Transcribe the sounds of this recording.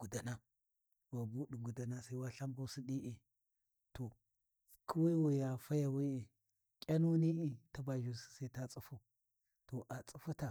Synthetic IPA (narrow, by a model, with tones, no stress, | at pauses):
ɡ̥u˨da˨na˦ | wa˨bu˦ɗu˨ɡu˨da˨na˦sa˨˦i˦wa˦ɬa˦mba˦si˦ɗi˦ʔi˨ | to˨ | kʰu˦wa˦wa˨ja˨fa˦ja˨wi˦i˨ | kʲʼa˦nu˦ni˦ʔi˨ta˦ba˨ʒu˨si̥˦sa˦i˦ta˦t͡sʼu˦fu˦ | to˨ʔa˨t͡sʼu˦fu˦ta˨